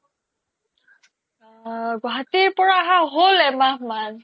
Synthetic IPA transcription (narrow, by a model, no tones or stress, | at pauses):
ɡatiɹpɔɹaɦaɦolɛmaman